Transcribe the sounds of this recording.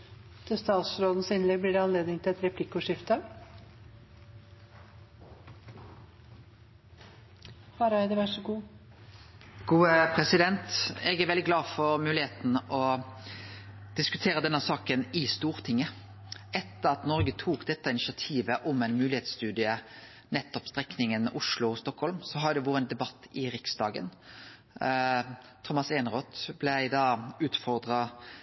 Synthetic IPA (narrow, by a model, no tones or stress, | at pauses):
t̪ʰɪst̪ɑːt̪sɾoːd̪ən̩sɪnlɛɡ̚blɪɖɛɑnleːd̪nɪŋt̪ʰɪlɛt̪ɾɛpʰlɪkːʊʂɪft̪ə | hɑɾɑɪd̪ɛʋæʈʂɔɡuː | ɡ̥uːəpʰʁɛsɪd̪ɛnt̪ɛɡæɾʋɛld̪ɪɡlɑːfɔɾmʉːlɪheːt̪n̩ʔɔ | d̪̥ɪskʉt̪ʰeːɾəd̪ɛnːəsɑːkənɪst̪uːʁt̪ʰɪŋːə | ɛt̪ːəʁɑt̪nɔɾɡət̪ʰuːkd̪ɛt̪ːəɪnɪʃɑt̪ʰiːʋəʔɔmæɪnmʉːlɪheːt̪st̪ʉːd̪ɪə | nɛt̪ːɔpst̪ʁɛknɪŋənʔʊʂlʊɔst̪ɔkhɔlmsɔɦɑd̪ɛʋɔːɾəɛnd̪ɛbɑt̪ʰːɪɾɪksd̪ɑːɡə̰n | t̪ʰɔmɑseːnʁoːt̪blæɪd̪ɑːʉːt̪fɔʁd̪ʁɑ